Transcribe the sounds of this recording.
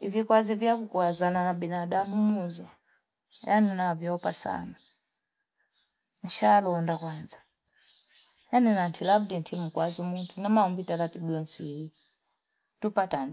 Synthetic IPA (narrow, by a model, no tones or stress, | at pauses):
ivikwazivjakukwazanaabɛnadamumuzɔ | janinavjɔpasa̰na | n̩ʃalɔndakwanza | janinantʰilabdintʰim̩kwazumuntʰunamaumbitaɾatiɓiɔnsii | tupatan